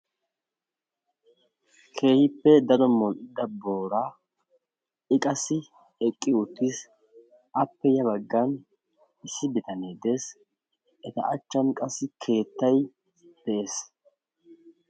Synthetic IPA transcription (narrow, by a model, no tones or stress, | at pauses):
kʰe̞ːhɪpːɛd̪ɐɾɔmɔlʔɪd̪ːɐbo̞ːɾaː | ɪkʼɐsːɪ | ɛkʼːɪʊt̪ːɪs | ʔɐpːɛjɐbɐɡːɐn | ɪsːɪbɪt̪ɐneːd̪e̞ːs | ʔɛt̪ɐ̰ʔɐt͡ʃːɐnkʼɐsːɪkʰe̞ːt̪ːɐj | b̪̥ɛʔe̞ːs